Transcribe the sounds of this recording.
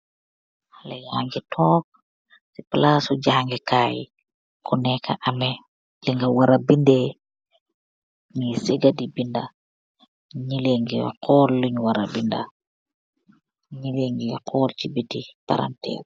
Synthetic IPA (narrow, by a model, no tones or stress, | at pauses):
halɛjaːŋɡitʰɔːk̚ | sipalasuɟaːŋɡikaːji | kunɛka̰ʔɐmɛ | liŋɡawaɾabindɛ | ŋisiɡadibinda | ɲileŋɡiqʰɔːlluɲwaɾabinda̰ | ɲileŋɡiqʰɔːlt͡ʃibitipa̰ɾa̰ntɛ̰ːr